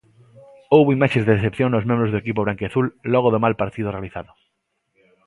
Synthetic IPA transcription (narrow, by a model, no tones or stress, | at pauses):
owβoimaʃezðeðeθepθjõŋnozmẽmbɾozðoekip̬oβɾaŋkeaθulːɔɣoðomalpaɾt̪iðorealiθaðʊ